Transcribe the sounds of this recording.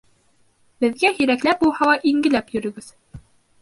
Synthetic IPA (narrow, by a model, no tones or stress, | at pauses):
bɘ̆ðɡæhiɾæklæp̚bulˠhɑlˠɑʔiŋɡɘ̆læpjɵ̆ɾɵ̆ɡɘð̥